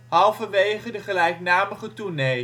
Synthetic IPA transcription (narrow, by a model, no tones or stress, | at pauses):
ɦɑlˠfəʋejχədəχəlɛjknaːməχətunej